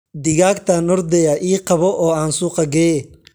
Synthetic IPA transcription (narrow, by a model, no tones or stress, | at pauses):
d̪ɪɣaːkt̪ʰɐnɔɾd̪ɛjaʔiːqɑβɔʔɔːaːnsuːqɐɡɛː